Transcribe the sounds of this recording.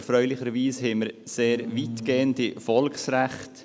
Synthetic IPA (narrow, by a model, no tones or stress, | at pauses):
fɾœʏlɪχəɾʋiːshɛməɾseːɾʋitɡ̥eːəntifɔlksɾæχt